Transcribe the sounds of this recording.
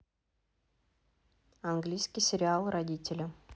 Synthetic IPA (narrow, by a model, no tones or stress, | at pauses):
ɐnɡlʲijskʲijsʲɪɾʲɪalˠrɐdʲitʲɪlʲə